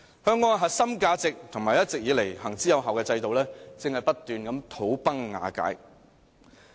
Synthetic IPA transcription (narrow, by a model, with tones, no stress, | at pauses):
hœː˧ŋːɔː˧nɦɐ˨t̚sɐ˥mkaː˧t͡sɪ˨k̚t̪ʰʊ˨˩ŋmaː˨jɐ˥t̚t͡sɪ˨k̚jiː˨˧le˨˩jhɐ˨˩ŋt͡siː˨˥jɐ˨˧wɦɐ˨wkɛː˧t͡sɐ˧jt̪o˨wlɛː˥t͡sɪ˨ŋhɐ˨jpɐ˥t̚t̪yː˨nkɐ˨˧˥mt̪ʰo˨˥wpɐ˥ŋːa̰ː˨˧ka̰ː˨˥j